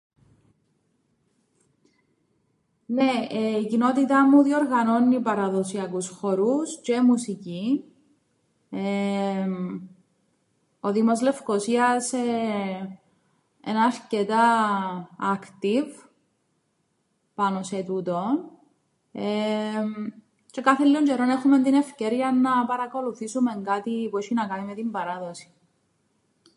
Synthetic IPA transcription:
neeicino̞t̪it̪ɐmːuðioɾɣɐno̞nːipɐɾɐðo̞siɐkusxo̞ɾuscemusici | e | oðimo̞zle̞fkosiɐse | ḛnɐːɾcet̪ɐ | ɐkt̪iv | pɐno̞set̪ut̪o̞n | em | t͡ʃe̞kaθelːioɲd͡ʒeɾo̞nexume̞nt̪ine̞fceɾiɐnːɐpɐɾɐko̞luθisume̞ŋɡat̪ipueʃinɐkɐnime̞t̪imbɐɾɐðo̞si̥

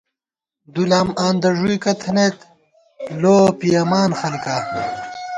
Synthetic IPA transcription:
d̪ulaːmaːnd̪ɐʐujkɐt̪ʰɐnet̪ | loːpijɐmaːnxɐlkaː

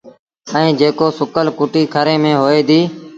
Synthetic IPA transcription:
əĩːd͡ʒeːkoːsʊkəlkʊːʈiːkʰəɾẽːmẽːɦoːeːd̪iː

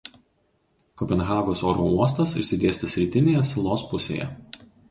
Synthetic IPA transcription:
kɔpʲɛnɣɑːɡoːsoːɾoːuɔs̬t̪ɐsɪɾʲsʲɪd̪ʲeːsʲt̪ɐsʲɾʲiːt̪ʲɪnʲeːjɛsʲlˠoːspʊsʲḛːjɛ̰

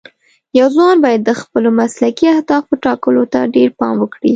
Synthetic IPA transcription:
jawzwɑnbɑjad̪ːəxpəlomaslakiahd̪ɑfpəʈɑkəlot̪aɖeɾpɑmwəkɽi

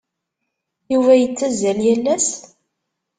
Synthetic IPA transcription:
juvæjət͡sːæzæljælːæs

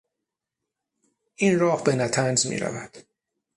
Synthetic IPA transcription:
ʔiːnɾɒːhbenæt̪ʰænzmḭːɾæ̰væd̪̥

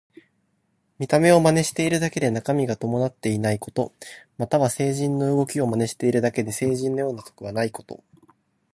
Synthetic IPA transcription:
mʲit̪ame̞o̞mane̞ɕi̥t̪e̞iɾɯ̟d̪ake̞d̪e̞nakamʲiɡat̪o̞mo̞nat̪ːe̞inaiko̞t̪o̞̰mat̪aβase̞ːʑĩnːo̞ɯ̟ɡo̞kʲio̞mane̞ɕi̥t̪e̞iɾɯ̟d̪ake̞d̪e̞se̞ːʑĩnːo̞jo̞ːnat̪o̥kɯ̟βanaiko̞̥t̪o̞̰

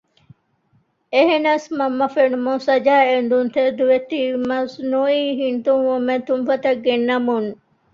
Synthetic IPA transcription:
eɦenɐsmɐmːɐfeɳmõsɐd͡ʒaːend̪unt̪ʰed̪uʋet̪ːimɐsnuiːɦint̪umomẽt̪umfɐt̪ɐk̚ɡenːɐmun

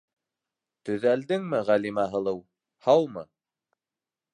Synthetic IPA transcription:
t̪ɵ̆ðæld̪ɘŋmɘʁælimæɦɤ̆lˠɤw | hɑwmɤ̰

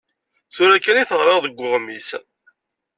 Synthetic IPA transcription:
θʊɾækːæniθəʁɾˤəʁðəɡʷːʊʁmis

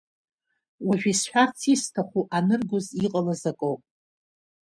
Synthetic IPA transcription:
waʒᶣisħʷᶣart͡sʰistʰaχʷuʔanɨrɡʷʊziqʼalazakʼowpʼ

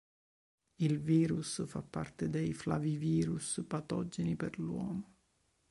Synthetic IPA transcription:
ilviːɾusfapːa̰rt̪ed̪ɛjflaviviːɾuspat̪ɔd͡ʒːenipɛrlwɔ̰ːmo

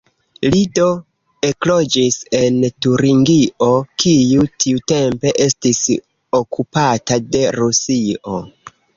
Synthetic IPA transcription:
lido̞ | e̞klo̞d͡ʒise̞ntuɾiŋɡiʔo̞kijutʰiute̞mpe̞ʔe̞stis | o̞kupatade̞ɾusio̞̰

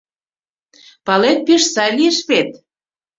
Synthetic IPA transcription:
pɑlet̪̚piʃsɑjlieʃβet̪̚

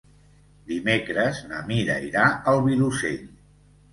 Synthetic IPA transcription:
d̪imekɾəznəmiɾə̰iɾaəlˠβilusḛʎ

